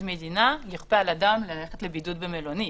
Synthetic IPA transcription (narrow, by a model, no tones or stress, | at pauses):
me̞d̪inaliχpealadamleleχet̪lebidudbemeloni